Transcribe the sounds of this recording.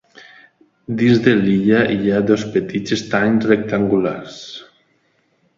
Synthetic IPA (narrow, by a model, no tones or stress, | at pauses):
d̪inzðeliʎaʔiaðospet̪izest̪aɲzrek̚t̪aŋɡulars